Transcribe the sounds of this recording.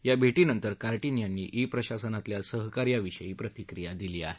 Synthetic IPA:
jabʱeʈiːnənt̪əɾkaɾʈinijanːḭːʔipɾəɕasənat̪ljasəɦkaɾjaʋiɕəjiːpɾət̪ikɾijad̪iliːaɦe

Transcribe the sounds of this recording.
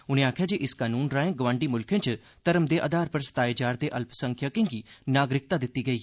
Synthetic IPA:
ʊnẽːaːkʰjaːd͡ʒeːʔɪskaːnuːnɾaːẽːɡəʋãːɳɖiːmʊlkʰẽːt͡ʃ | t̪əɾəmd̪eːʔa̰ːd̪aːɾpəɾst̪aːeːd͡ʒaːɾd̪eːʔəlpʰsəŋkʰjaːkɪ̃ŋɡiːnaːɡɾɪk̚t̪aːd̪ɪt̪ːiːɡəiː

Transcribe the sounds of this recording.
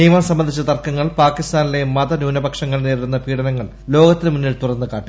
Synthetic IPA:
nejɐmaːmsɐmbɐnd̪ʱit͡ɕːɐt̪ɐrkːɐŋːɐɭpaːkist̪aːnile̞mɐðɐnjuːnɐbɐkʂɐŋːɐɭneːɾɾunːɐpiːɽɐnɐŋːɐɭ | lo̞ːɡɐt̪ːinɨmunːiɭt̪urɐnːɨkaːʈːi

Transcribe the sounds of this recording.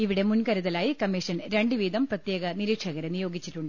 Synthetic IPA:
iʋiɽe̞munkɐɾuðɐlaːjikɐmːiʂɐnɾe̞ɳɖɨʋiːd̪ɐmprɐt̪je̞ːɣɐniɾiːkʂɐɣɐɾɐnijo̞ːɡit͡ɕːiʈːuɳɖɨ

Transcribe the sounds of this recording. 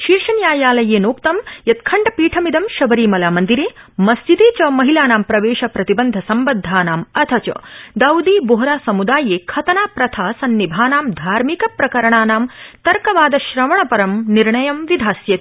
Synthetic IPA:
ʃiːɾʂɐnjaːjaːlɐjeːnoːkt̪ɐmjɐt̪̚kʰɐɳɖɐpiːʈʰɐmid̪ɐmʃɐbɐɾiːmɐlaːmɐnd̪iɾeːmɐsd͡ʒit̪eːt͡ʃɐmɐɦilaːnaːmpɾɐʋeːʃɐpɾɐt̪ibɐnd̪ʱɐsɐmbɐd̪ʱːaːnaːmɐt̪ʰɐt͡ʃɐ̰d̪ɐwd̪iːboɦɾaːsɐmud̪aːjeːkʰɐt̪ɐnaːpɾɐt̪ʰaːsɐnːibʱaːnaːmd̪ʱaːɾmikɐpɾɐkɐɾɐɳaːnaːmt̪ɐɾkɐʋaːd̪ɐʃɾɐmɐɳɐpɐɾɐmniɾɳɐjɐmʋid̪ʱaːsjɐt̪

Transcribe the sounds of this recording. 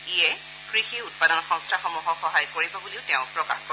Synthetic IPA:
iɛ | kɹixiut̚padɔnɔxɔ̃ŋstʰaxɔmuɦɔxɔɦajkoɹibɔbuliʊtɛʊ̃pɹɔka̰xko

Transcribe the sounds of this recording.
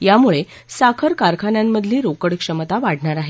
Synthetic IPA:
jamuɭe | sakʰəɾkaɾkʰanjamːəd̪ʱliːɾokəɽkʂəmət̪aʋaɽ̤ɳaɾaɦe

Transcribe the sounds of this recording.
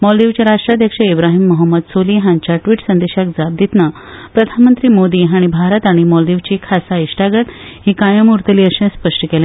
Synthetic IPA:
mɔld̪iʋt͡ɕjaɾaʂʈɾad̪ʱjəkʂəibɾaɦimːəɦəmːəd̪soliːɦãɲt͡ɕjaʈʋiːʈsənd̪eɕakd͡zab̚d̪it̪nə | pɾəd̪ʱanmənt̪ɾiːmod̪iɦaɽ̃ibʱaɾət̪aɽ̃imɔld̪iʋt͡ɕikʰasaiʂʈaɡət̪hiːkajəmuɾt̪əliːəɕẽspəʂʈəkelẽ

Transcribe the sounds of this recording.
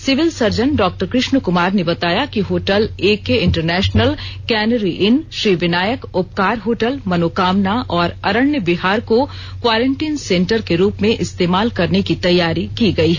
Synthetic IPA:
sɪʋɪlsɐɾd͡ʒənɖɔːk̚ʈəɾkɾɪʃnəkʊmaːɾnebɐt̪aːjakiɦoːʈəleːkeɪ̃ɳʈəɾnɛːʃnəlkɛːnəɾiʔɪnʃɾiːʋɪnaːjəkʊp̚kaːɾɦoːʈəlmɐnoːkaːmnaʔɔːɾɐɾəɽnjəbɪɦaːɾko | kʋaːɾẽɳʈiːnsẽːɳʈəɾkeɾuːpmẽʔɪst̪eːmaːlkɐɾnekit̪ɐjːaːɾikiɡɐiɦɛ

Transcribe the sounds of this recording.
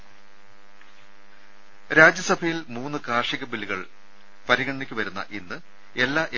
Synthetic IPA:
ɾaːd͡ʑjɐsɐbʱɐjilmuːnːɨkaːrʂiɣɐbiliɣɐɭ | pɐɾiɣɐɳɐɳikʲːuʋɐɾunːɐ̰ʔinːɨ | e̞lːaːʔe

